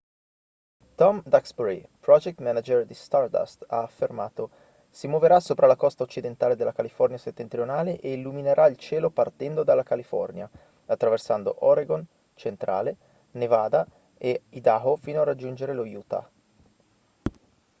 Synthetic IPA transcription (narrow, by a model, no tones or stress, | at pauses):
t̪ɔmd̪aksbuɾi | pɾɔd͡ʒɛk̚t̪mɛnad͡ʒerd̪ist̪ard̪a̰st̪aːfːermaːt̪o | simwoveɾasːoːpɾalakɔst̪aot͡ʃːid̪ent̪aːled̪elːakalifɔrnijaset̪ːent̪ɾionaːleʔeilːumineɾʔailt͡ʃɛːlopart̪ɛnd̪od̪alːakalifɔ̰rnja | at̪ːɾaversand̪o̰ʔoɾeɡon | t͡ʃent̪ɾa̰ːle | nevaːd̪a | eid̪aɦofiːnoarːad͡ʒːund͡ʒeɾelojuːt̪a̰